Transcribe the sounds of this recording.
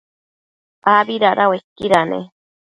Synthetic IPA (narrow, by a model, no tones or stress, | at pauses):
pabiɾaɾʔawekːiɾanḛ